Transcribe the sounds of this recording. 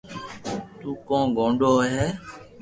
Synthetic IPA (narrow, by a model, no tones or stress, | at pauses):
t̪uːkɔ̃ːɡɔ̃ːɖɔːɦɛ